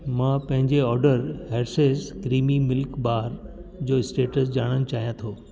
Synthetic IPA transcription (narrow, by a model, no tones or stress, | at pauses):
mãːpɐ̃ɦɪ̃ɲd͡ʑeɔːɾɖəɾɦeːɾsezkɾiːmimɪlkbaːɾd͡ʑoːɪsʈeːʈəsd͡ʑaːɽ̃əñɪ̆t͡ɕaːɦijãt̪ʰoː